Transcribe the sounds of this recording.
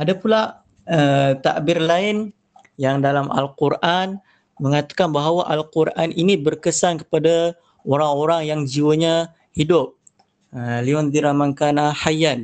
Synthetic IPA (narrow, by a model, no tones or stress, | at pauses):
adapula | ət̪a̰ʔbɪrlaɪn | jaŋdalamʔa̰lkurʔan | məŋat̪ḁkanbaɦawaʔalkuɾaninibərkəsankə̥pada | oɾaŋoɾaŋjaŋd͡ʒiwəɲa | hidʊp̚ | əliɔnd̪iɾamaŋkanahajan